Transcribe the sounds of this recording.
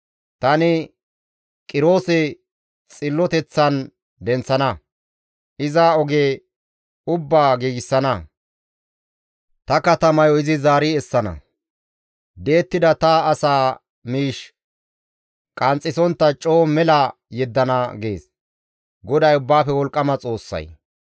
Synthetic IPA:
t̪ɐnɪ | kʼɪɾo̞ːsɛ | t͡sʼɪlːɔt̪ɛt͡sːɐn | d̪ɛnt͡sːɐnɐ | ʔɪzɐɔɡeː | ʊbːaːɡiːɡɪsːɐnɐ | t̪ɐkɐt̪ɐmɐjɔɪzɪzaːɾɪɛsːɐnɐ̰ | d̪e̞ːt̪ːɪd̪ɐt̪ɐːsaː | miːʃ | kʼɐnt͡sʼɪsɔnt̪ːɐt͡ʃʼo̞ːmɛlɐ | jɛd̪ːɐnɐɡe̞̰ːs | ɡɔd̪ɐjʊbːaːfɛwɔlkʼːɐmɐt͡sʼo̞ːsːɐ̰j

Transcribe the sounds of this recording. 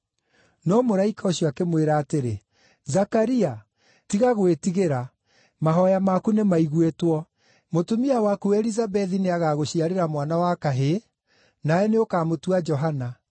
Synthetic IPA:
nɔmoɾaikaoɕjɔakemweɾaːteɾe | zakaɾia | tiɣaɣwetiɣeɾa | maɦɔjamakunemaiɣwetwɔ | motomiawakuɛɾizabɛðineaɣaɣoɕiaɾeɾamwanawakaɦe | naɛneokaːmotuad͡ʒɔɦana

